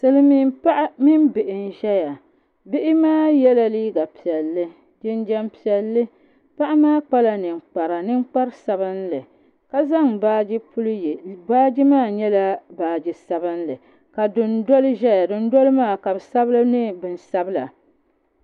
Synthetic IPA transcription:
sɨ˨lɨ˦mi˦mpa˦ʔmi˦m˦bɪ˨ʔɪ˨n˨ʒɛ˦ja˨ | bɪ˦ʔɪ˦maː˦jɛ˦la˨liː˦ɡa˨pi˨ɛ˨lːɨ˦ | d͡ʒɪ˦nd͡ʒɛ˦mpi˨ɛ˨lːɨ˦ | pa˦ʔa˦maː˦k͡pa˦la˨nɨ˨ŋ͡mk͡pa˨ɾa˨nɨ˦ŋ͡mk͡pa˦ɾsa˨bɨ˦nlɨ˨ | ka˦za˦ŋbaː˦d͡ʒi˦pu˦ljbaː˦d͡ʒi˦maː˦ɲɛ˦la˦baː˨d͡ʒi˨sa˨bɨ˦nlɨ˨ | ka˨dʊ˨ndo˦lɨ˦ʒɛ˦ja˨dɨ˦n̩˦do˦lɨ˦maː˦˨ka˨bɨ˨sa˦bɨ˦lɨ˦nɨ˦bɨ˨n˨sa˦bɨ˦la̰˨

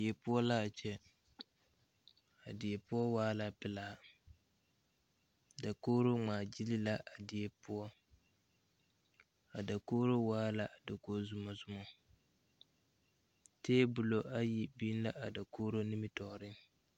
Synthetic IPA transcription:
e˨pʊ˦ɔ˦la˦a˨t͡ʃɛ˦ | a˨dɪ˨ɛ˨pʊ˦ɔ˦waː˦la˦pɪ˦la˦˨ | da˨koː˦ɾo˦ŋ͡maː˨d͡ʒi˦li˦la˦ʔa˨dɪ˨e˨pʊ˦ɔ˦ | a˨da˨koː˦ɾo˦waː˦la˦a˨da˨ko˦zʊ˦mɔ˦zʊ˦mɔ˦ | teː˦bʊ˨lo˨ʔa˦ji˨biː˦n˦la˦ʔa˨da˨koː˦ɾo˦nɪ˦mɪ˦tɔ˨ɾɪ˦ŋ

